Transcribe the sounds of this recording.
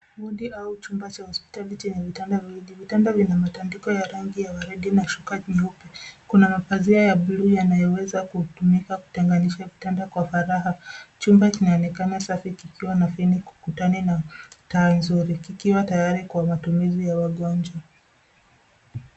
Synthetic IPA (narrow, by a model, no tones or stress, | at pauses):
muɗiʔaut͡ʃumbat͡ʃahɔspi̥talit͡ʃɛɲɛvitandaviɗivitandavinamatandikɔjaɾaŋɡijawaɾiɗinaʃukaɲiupɛkunamafaziajaɓulujanajɔwɛzakutumikaku̥tɛŋɡaniʃavitandakwafaɾaɦat͡ʃumbakinaɔnɛkanasafikikiwanafiniku̥kutanɛnataːnzuɾikikiwatajaɾikwamatumizijawaɠɔnd͡ʒwa